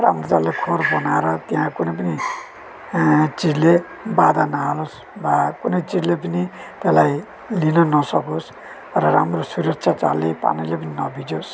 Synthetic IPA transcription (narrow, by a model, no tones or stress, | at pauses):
ramrot͡salːekʰorbʌnaeɾʌt̪eɦãkunʌjpʌni | t͡sid͡zle | bad̪ʱanʌɦalos | bakunʌjt͡sid͡zlep̬ʌni | t̪elaj | linʌnʌsʌkos | rʌɾamrosuɾʌk̚t͡sʰat͡sa̰lːepa̰nilepʌninʌbʱid͡zos